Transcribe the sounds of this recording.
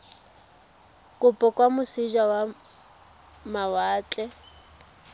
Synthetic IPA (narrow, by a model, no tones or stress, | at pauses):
kʼʊpʼɔkʼwamʊsiʒawa | mawaːt͡ɬʼɛ